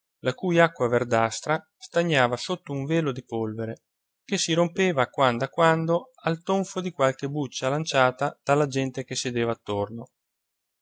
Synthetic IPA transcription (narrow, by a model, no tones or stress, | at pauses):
lakujakːwaverd̪ast̪ɾa | st̪aɲːaːvasot̪ːouɱveːlod̪ipolveɾe | kesːiɾompeːvakwand̪akwand̪o | alt̪oɱfod̪ikwalk̟ebut͡ʃːalant͡ʃaːt̪ad̪̥alːad͡ʒɛnt̪ekesːed̪eːvaːt̪ːorno